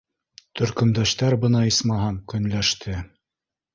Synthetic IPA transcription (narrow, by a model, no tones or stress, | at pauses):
t̪ʰɵ̆ɾkɵ̆md̪æɕt̪æɾbɤ̆nɑismɑɦɑŋkɵ̆nlæʃt̪ʰɘ